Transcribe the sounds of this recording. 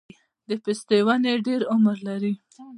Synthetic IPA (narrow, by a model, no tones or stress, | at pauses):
d̪əpɪst̪ewaneɖeɾʊmɾlaɾi